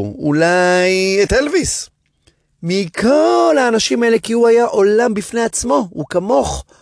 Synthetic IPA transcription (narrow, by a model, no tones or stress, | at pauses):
ulajet̪elvis | mikʰo̞lhaːnaʃimaele̞kihuajaʔo̞lambifne̞jat͡smo̞ukamo̞χ